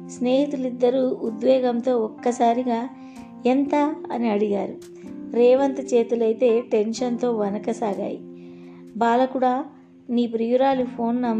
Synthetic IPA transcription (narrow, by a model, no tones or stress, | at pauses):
sneːɦit̪ulid̪ːɐɾuːud̪ʋɛːɡɐmt̪o̞ːɔkːɐsaːɾiɡaː | ent̪aɐniɐɽiɡaːɾu | ɾɛːʋɐnt̪ɐt͡ʃeːt̪ulɐjt̪e̞ːʈe̞nʃɐnt̪o̞ːʋɐnɐkɐsaːɡa̰ːji | baːlɐkuɽaː | niːp̬ɾijuɾaːlipʰo̞ːnːɐm